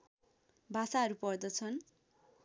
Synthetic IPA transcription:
bʱasaʌɾupʌrd̪ʌt͡sʰʌn

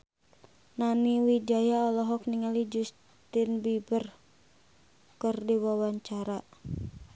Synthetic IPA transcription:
naniwid͡ʒajaɔlɔɦɔk̚niŋalid͡ʒus | t̪ɪnbibər | kərdiwawaɲt͡ʃaɾa

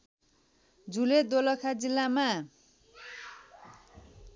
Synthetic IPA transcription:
d͡zuled̪olʌkʰad͡zilːama

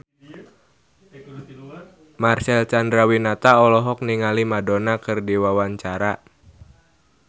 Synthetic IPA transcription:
marsɛlt͡ʃandɾawinat̪aɔlɔɦɔk̚niŋalimadonakɨrdiwawaɲt͡ʃaɾa

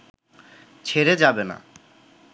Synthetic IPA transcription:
t͡ɕʰeɾed͡ʑabena̰

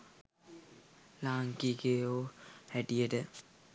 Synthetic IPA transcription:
laːŋkikeoːhæʈijəʈə

